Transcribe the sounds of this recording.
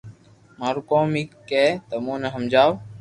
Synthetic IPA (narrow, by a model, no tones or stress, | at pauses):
maːɾukoːmiːkeːt̪əmõːneɦəmd͡ʒaːw